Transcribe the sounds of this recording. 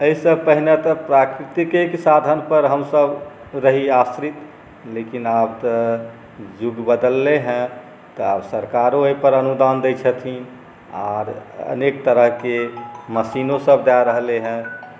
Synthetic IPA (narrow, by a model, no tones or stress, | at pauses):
əisəb̚pəɦinet̪əpɾakɾit̪ikeksad̪ʱənpəɾɦəmsəb | ɾəɦiasɾit̪ | lekinabt̪ə | d͡ʒuɡbəd̪əlːeɦɛ̃ | t̪ɔabsəɾkaɾõəipəɾənud̪and̪et͡ʃʰət̪ʰĩ | aɾə̰nekt̪əɾəɦkeməsinõsəb̚d̪aɾəɦleɦɛ̃